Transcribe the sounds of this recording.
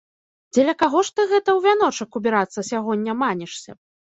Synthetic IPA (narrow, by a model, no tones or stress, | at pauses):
d͡zʲɛlʲɐkaɣɔʂt̪ɨɣɛt̪ɐwvʲanɔt͡ʂɐkubʲiɾat̪sːɐsʲaɣɔnʲːɐmanʲɛʂsʲɐ